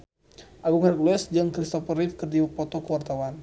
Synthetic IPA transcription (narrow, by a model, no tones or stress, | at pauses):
ʔaɡuŋɾɛk̚luɛsd͡ʒɨŋkɾist̪ɔpəɾifkərdiwapɔt̪ɔkəwart̪awan